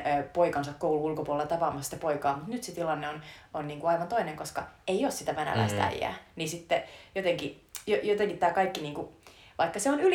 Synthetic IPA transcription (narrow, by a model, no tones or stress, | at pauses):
poikɑnsɑkkouluulkopuolːet̪ɑpɑːmɑsi̥t̪ːæpoikɑːmut̪nyt̪set̪ilɑnːeononniːŋkuɑiʋɑnt̪oineŋkoskɑeioːssit̪æʋænæ̰læ̰ist̪æ̰ijæ̰ːnisit̪ːejot̪eŋki | jojot̪eŋkit̪t̪æːkɑikːiniːŋkuʋɑikːɑseonyl